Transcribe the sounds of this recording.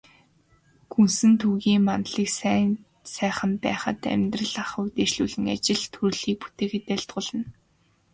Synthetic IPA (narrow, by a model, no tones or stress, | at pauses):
kunsɘ̆nt̪ʰuːɣiːmanɮiːksæ | sæːχə̆mpæ̰ːχə̰̆t̪æ̰mʲt̪rə̆ɮaχə̆wt̪eːʃɮuːɮɘ̆ŋa̰t͡ɕɪ̆ɮt̪ʰuɾɮiːk̚pu̥t̪eːxet̪æɮt̪ɢʊːɮə̆n